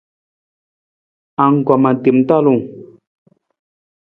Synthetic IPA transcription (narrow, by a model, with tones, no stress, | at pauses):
a˨ŋ̩˨ɡa˨ma˨ti˨m˦ta˦˨lu˨ŋ